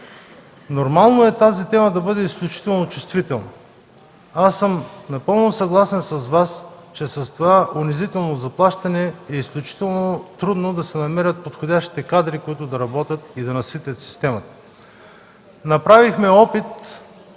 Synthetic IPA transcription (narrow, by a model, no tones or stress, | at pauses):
noɾmalˠnoɛt̪azit̪ɛməd̪ɐbɤd̪ɛisklʲut͡ʃi̥t̪ɛlˠnot͡ʃʊst̪vit̪ɛlˠnɐ | asːɤmnɐpɤlˠnosɐɡlˠasɛnsɐzvast͡ʃɛsɐst̪ovaʔʊnizit̪ɛlˠnozɐplˠaʃt̪ɐnɛːisklʲut͡ʃi̥t̪ɛlˠnot̪ɾud̪nod̪ɐsɛnɐmɛɾʲət̪̚pot̪xodʲaʃt̪i̥t̪ɛkad̪ɾikoit̪ʊd̪ɐɾɐbɔt̪ʲət̪̚id̪ɐnɐsit̪ʲɐt̪si̥st̪ɛmɐt̪ə̥ | nɐpɾavixmɛɔpit̪